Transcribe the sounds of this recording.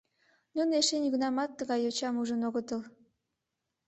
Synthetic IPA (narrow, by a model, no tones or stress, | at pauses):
nuneʃenʲuɣnɑmɑt̪ːəɣɑjot͡ɕɑmuʒənoɣət̪əl